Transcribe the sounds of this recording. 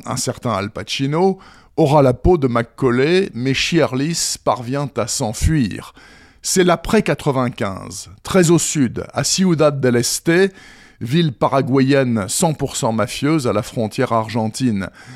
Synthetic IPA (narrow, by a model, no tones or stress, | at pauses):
ɛ̰̃sɛʁt̪ɛ̃a̰lpaʃino | ɔʁalapod̪əmakːɔlemɛʃiɛʁlispaʁvjɛ̃t̪asɑ̃fɥiʁ | sɛlapχɛkat̪χəvɛ̃kʲɛ̰̃zt̪χɛzosyd̪a̰siud̪ad̪ːɛlɛst̪e | vilpaʁaɡwajɛnsɑ̃puʁsɑ̃mafjøzalafχɔ̃t̪jɛʁaʁʒɑ̃t̪in